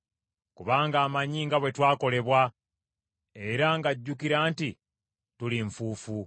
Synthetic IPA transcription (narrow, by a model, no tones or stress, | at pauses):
kuβaːŋɡaːmaɲiːŋɡaβwe̞twaːko̞le̞βwa | e̞ɾaŋɡaɟːukiɾaːnti | tuliɱfuːfu